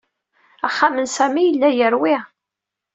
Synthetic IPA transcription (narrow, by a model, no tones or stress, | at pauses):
æχːamənsæmijəlːæjəɾwɪ